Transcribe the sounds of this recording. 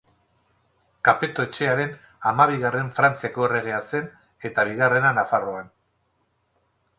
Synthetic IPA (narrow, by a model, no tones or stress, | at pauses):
kape̞t̪o̞e̞t͡ʃe̞aɾe̞n | amaβ̞iɣare̞ɱfɾant͡siako̞ere̞ɣ̞e̞ase̞n | e̞t̪aβ̞iɣ̞are̞nanafaro̞an